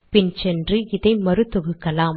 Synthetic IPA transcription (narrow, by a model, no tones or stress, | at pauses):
pɪnsɛndrɯɪðɐɪmɐɾɯt̪ːɔɣɯkːɐlaːm